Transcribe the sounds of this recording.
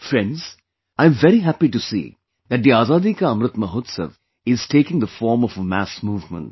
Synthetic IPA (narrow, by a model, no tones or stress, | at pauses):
fɾɛ̃nɖz̥ | ãɪ̃ɱʋɛɾiɦæpiʈusḭː | d̪æʈ̚d̪iaːzaːd̪ikaɐ̃mɾɨt̪məɦoːt̪sə̰ʋ | ɪz̥ʈeːkɪ̃ŋd̪əfɔːɾmɔfəmæ̰smuːvmə̰̃ɳʈ̚